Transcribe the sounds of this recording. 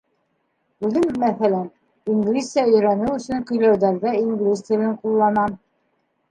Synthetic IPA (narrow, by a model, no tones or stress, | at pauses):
ʉðɘmːæθælæn | iŋɡlʲisjɑɵ̆jɾænɘwɵ̆sɵŋkɵ̆jlæwðæɾðæiŋɡlʲist̪ɘ̆lɘɴqulˠːɑnɑ